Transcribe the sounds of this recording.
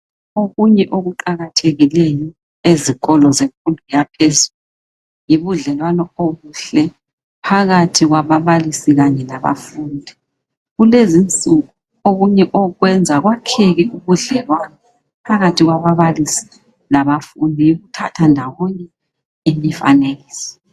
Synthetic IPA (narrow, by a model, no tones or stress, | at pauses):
oɣuɲɛʔoɣuǃaɣatʰeɣilejɔ | eziɣʼɔlɔzeɱkʼundʱujapʰezullu | ujiβuɮɛlwanɔoɣuɬɛ | pʰaɣatʰiɣwaβaβalisiɣaɲɛlaβa̰fundʱi | ɣulezint͡sʼuɣu | oɣuɲɛʔɔɣwɛnd͡zʱaɣwakʰeɣiuβuɮɛlwanɔ | pʰaɣatʰiɣwaβaβalisi̥ | laβafundʱijiɣutʰatʰandʱawɔɲɛ | emifa̰neɣiːsi̥